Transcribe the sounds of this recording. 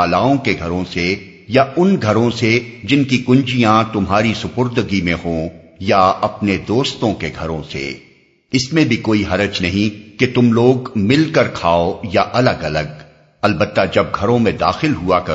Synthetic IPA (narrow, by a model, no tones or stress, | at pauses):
aːlaːõkeɡʱɐɾõse | jaʊnɡʱɐɾõsed͡ʒɪnkikʊ̃nd͡ʒijãt̪ʊmɦaːɾisʊpʊɾd̪əɡimẽɦõː | jaɐpned̪oːst̪õkeɡʱɐɾõsḛ | ɪsmẽbʱikoːiɦɐɾəd͡ʒnɐɦĩket̪ʊmloːɡmɪlkəɾkʰaːojaʔɐləɡɐləɡ | ɐlbət̪ːad͡ʒɐb̚ɡʱɐɾõmẽd̪a̰ːxɪlɦuakɐ